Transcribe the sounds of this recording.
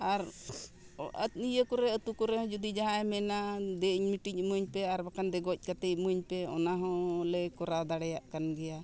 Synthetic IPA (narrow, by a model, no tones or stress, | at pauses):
aɾ | ə̰t̪nijəkuɾɛət̪ukɔɾɛɦɔ̃d͡ʒud̪id͡ʒaɦãɛmɛnad̪ɛiɲmiʈiɲmuɲpɛaɾbakand̪ɛɡɔc̚ˀkat̪ɛcmuɲpɛɔ̰naɦɔ̃lɛkɔɾad̪aɽɛjaʔkanɡɛja